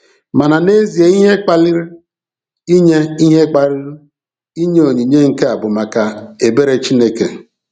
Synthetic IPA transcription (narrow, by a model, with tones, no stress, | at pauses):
ma˨na˨ne˦zi˨e˨˦i˦ɦe˦k͡pa˦li˦ɾi˦ | i˦ɲe˦i˦ɦe˦k͡pa˦li˦ɾu˦ | i˦ɲe˦o˨ɲi˨ɲe˦ŋ̩˨ke˦a˨bʊ˨ma˨ka˨e˨be˦ɾe˨˦t͡ʃi˦ne˦kḛ˨